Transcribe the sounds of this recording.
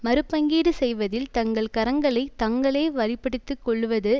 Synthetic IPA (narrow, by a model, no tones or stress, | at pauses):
mɐɾɯpːɐŋɡiːɽɯsɛjʋɐðɪlt̪ɐŋɡɐɭkɐɾɐŋɡɐɭɐɪt̪ɐŋɡɐɭeːʋɐɾɪpːɐɽɯt̪ːɯkːɔɭːɯʋɐðɯ